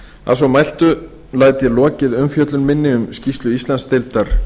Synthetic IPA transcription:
a̰ðsawmajl̥t̪ʏ | laːjt̪jɛlɔːcɪðʏmfjœt̪lʏnmɪnːɪʏmscist̪lʏist̪lanst̪ɪlt̪aɾ̥

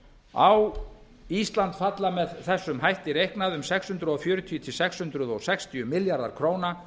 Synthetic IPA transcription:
aw | ist̪lant̪fat̪lamɛðθɛsːʏmɦajht̪ɪɾejhknaðʏmsɛkshʏnt̪ɾʏɔfjʏːɾʏt̪ʰijʏt̪ʰɪlsɛkshʏnt̪ɾʏðɔɣsɛkst̪ʰiʏmɪljaɾða̰ɾ̥kʰɾoːwna

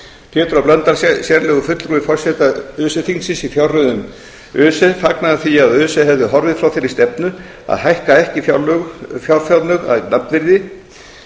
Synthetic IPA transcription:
pʰjɛːt̪ɾɔplœnt̪aɾ̥sjɛɾlɛːɣʏfʏt̪lruːɪfɔr̥sɛt̪aʏːsɛθinsɪsifjawrrʏðʏm | ʏːsɛfaknaðaθiaðʏːsɛɦɛvðʏɦɔɾvɪðfɾawθɛɾɪ̥st̪ɛpnʏ | a̰ðhajhkaɛhcɪfjafjawɾ̥fjawt̪nʏɣa̰ðnapnvɪɾðɪ

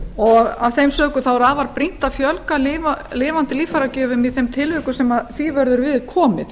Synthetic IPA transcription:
ɔɣav̥θejmsœːkʏθawɾavaɾpɾin̥t̪afjœlkalɪvalɪːvant̪ɪliːfaɾacɛːvʏmiðθejmt̪ʰɪlvʏːkʏsɛmaðθvivœɾðʏɾvɪðkʰɔːmɪ̰θ

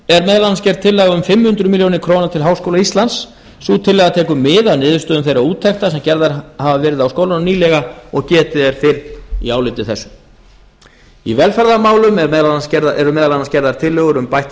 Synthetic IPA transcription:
ɛɾmɛːðalanascɛɾðt̪ʰɪlːɛɣaʏmfɪmːhʏnt̪ɾʏmiljownɪ̥kʰɾownat̪ʰɪlɦaːwskowlaist̪lans | suːt̪ʰɪlːɛːɣat̪ʰɛːkʏmːɪðawnɪːðʏɾst̪œːðʏmθejɾauːt̪ʰːɛxt̪asɛmcɛɾðaɾhavavɛːɾɪðawskowlananiːlɛɣaɔɣcɛːt̪ɪðɛɾ̥fɪɾnḭaːwlɪt̪ɪθɛsːʏ | ivɛlfɛɾðamaːwlʏmɛmɛðlanscɛɾðɛɾʏmɛːðalanascɛɾðaɾ̥t̪ʰɪlːɛːɣʏɾʏmpajht̪

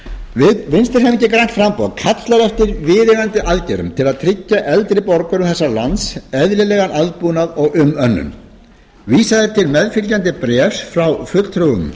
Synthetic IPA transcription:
vɪðvɪnst̪ɪɾ̥ɦɛmɪcːɪkɾajn̥t̪fɾampokʰat̪laɾœft̪ɪɾvɪːɾɪɣant̪ɪʔaðcɛɾʏ̰mt̪ʰɪlaðt̪ʰɾɪcːaʔɛlt̪ɾɪpɔɾkʏɾʏmθɛsːalansɛðɾɪlɛːɣanalt̪̚puːnaðɔɣʏmœnːʏ̰n | viːsaðɪt̪ʰɪlmɛðfilcant̪ɪpɾɛːfsfɾawfʏt̪l̥t̪ʰɾuʏ̰m

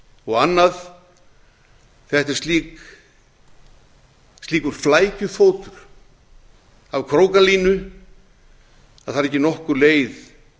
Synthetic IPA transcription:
ɔɣanːað | θɛht̪ɛɾ̥st̪liːk | st̪liːkʏɾ̥flaːjcʏfoːwt̪ʏɾ̥ | avkʰɾoːwkaliːnʏ | aðθaɾɛhcːɪnɔhkʏɾleːjð

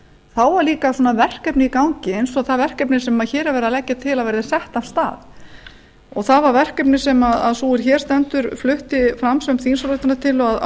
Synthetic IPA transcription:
θawvaɾliːkasɔnːavɛr̥kɛpnɪikawŋcɪejnsɔaθavɛr̥kɛpnɪsɛmaðçɛːɾɪvɛːɾalɛcːat̪ʰɪlaðveːɾðɪsɛht̪ast̪a̰ːð | ɔɣθaðvaɾvɛr̥kɛp̬nɪsɛmaða̰ðsuːɪɾ̥çɛːɾ̥st̪ɛnt̪ʏɾflʏht̪ɪfɾamsœmθiːnsolʏht̪anat̪ʰɪlað

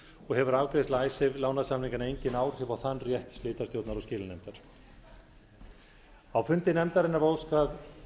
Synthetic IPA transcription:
ɔɣhɛvʏɾavkɾɪðɪst̪laːjsɪvlaːwnaðsamniŋkanejɲcɪnaːwɾ̥ɪvawθanːrjɛht̪st̪lɪːt̪ast̪jowt̪naɾɔscɪːlɪnɛmt̪aɾ̥ | awfʏnt̪ɪnɛmt̪aɾɪnːavowskað

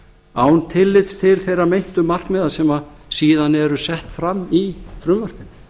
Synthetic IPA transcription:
aːwnt̪ʰɪlːɪt̪st̪ʰɪlθejɾamejn̥t̪ʏmːar̥knɛːðasɛma | siːðanɛɾʏsɛht̪fɾamːifɾʏːvar̥k̪ɪn

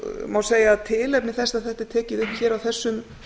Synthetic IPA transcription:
mawseːjaðt̪ʰɪːlɛpnɪθɛst̪aðθɛht̪ɪ̥t̪ʰɛːcɪðʏhpçɛːɾawθɛsːʏm

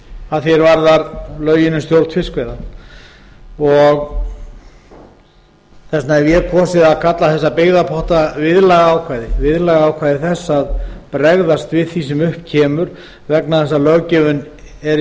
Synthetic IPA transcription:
aðθjɛɾvaɾðaɾlœːɥjɪnʏmst̪jowɾt̪fɪskvɛjða | ɔɣ | θɛsnavjɛɾkʰɔsɪðaðkʰat̪laθɛsːapɪɣðapʰɔht̪avɪðlaːɣaaːwkʰvajðɪvɪðlaɣaaːwkʰvajðɪθɛsːaðpɾɛɣðast̪vɪðθisɛmʏhpcʰɛːmʏɾ̥ | vɛknaðθɛs̬ːalœɣcɛvʏn | ɛɾ

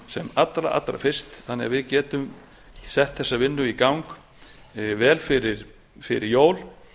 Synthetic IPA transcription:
sɛmat̪ːɾa̰ʔa̰t̪ːɾa̰fɪr̥st̪θanːɛɣavɪðcɛːt̪ʏm | sɛht̪θɛsːavɪnːʏikawŋk | vɛːlfɪɾɪɾ̥ | fɪɾɪɾjoːwl

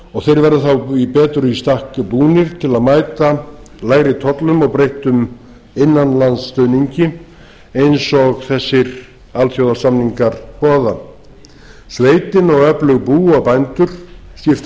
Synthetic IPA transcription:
ɔɣθejɾvɛɾðʏθawipɛːt̪ɾʏist̪ahkʏpuːnɪɾ̥t̪ʰɪlaðmaːjt̪alaːjɾɪt̪ʰɔt̪lʏmɔɣpɾejht̪ʏm | ɪnːanlansːt̪œɥniɲcɪ | ejnsɔɣθɛsːɪɾ | alt̪θjowðasamniŋkaɾ̥pɔːða | sveːjt̪ɪnɔɣœplʏɣpuːawpajnt̪ʏɾ̥sc̪ɪft̪

